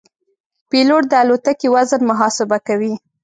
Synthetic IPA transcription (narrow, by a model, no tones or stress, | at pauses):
peloʈ̚d̪əalot̪akiwazənmaɦɑsɪbakawi